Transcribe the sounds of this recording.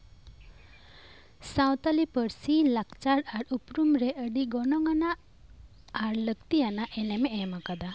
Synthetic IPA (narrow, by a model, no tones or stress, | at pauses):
sawt̪alipəɽsilakt͡ʃaɽaɾupɾumɾeʔəɖiɡɔnɔŋanaː | ɾləkt̪ianaʔɛnɛmeɛmakad̪a